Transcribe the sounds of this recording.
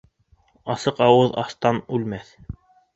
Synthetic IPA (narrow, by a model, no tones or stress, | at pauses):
ɑsɤqɑwɤðɑ̰st̪ɑnʉlmæθ